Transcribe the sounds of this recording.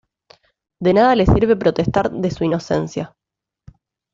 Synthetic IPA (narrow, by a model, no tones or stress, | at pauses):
d̪e̞naðale̞siɾβe̞pɾo̞t̪est̪aɾðe̞suino̞se̞̰nsja